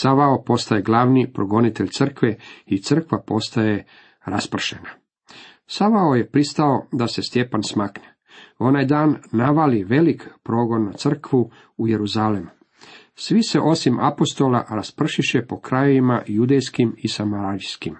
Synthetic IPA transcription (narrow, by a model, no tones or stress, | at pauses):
saʋaopo̞st̪aje̞ɡlaːʋnipɾoɡo̞nit̪eʎt̪sr̩kʋeit̪sr̩kʋapo̞st̪aje̞ | ɾaspr̩ʃe̞na | saʋaoje̞pɾist̪ao̞d̪ase̞st̪je̞pansmakne | o̞najd̪aːnːaʋaliʋe̞likpɾo̞ːɡo̞nːat̪sr̩kʋu | uje̞ɾuzalemu | sʋise̞ʔo̞simʔa̰po̞st̪o̞la̰ɾaspr̩ʃiʃepo̞kɾajoʋima̰jud̪ejskimisamaɾaɾiskim